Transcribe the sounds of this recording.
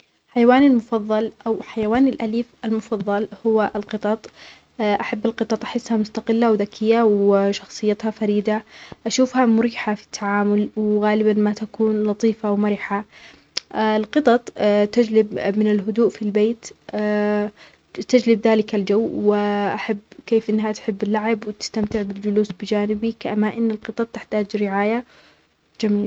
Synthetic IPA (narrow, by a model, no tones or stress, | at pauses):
ħajawaːnalmʊfɑðˤːɑlʔawħajawaːnɪlʔaliːfʔalmʊfɑðˤːɑlhʊwaʔɪlqɨt̪ˤɑt̪ˤː | ʔaħabːɪlqɨt̪ˤɑt̪ˤʔħɪsːhamʊst̪aqɪlːawðakʰɪjːawʃɑxsˤɨjːat̪hafaɾiːd̪aʔaʃuːfhamʊɾiːħafi̥t̪ʰːaʕaːmʊlwɣaːlɪbamat̪akuːnlɑt̪ˤiːfawmaɾɪħa | ɪlqɨt̪ˤɑt̪ˤt̪ad͡ʒlɪbmɪnɪlɦʊd̪uːʔfilbeːt̪ː | t̪ad͡ʒlɪbðaːlɪkald͡ʒawːwɪʔaħabːkeːfʔɪnːɦat̪ħɪbːɪlːaʕɪbwɪt̪ɪ̥st̪amt̪ɪʕbɪld͡ʒʊluːsbɪd͡ʒaːnɪbikaʔamaːʔɪnːɪlqɨt̪ˤɑt̪̚ˤːɪħt̪aːd͡ʒɾɪʕaːja | d͡ʒamiːl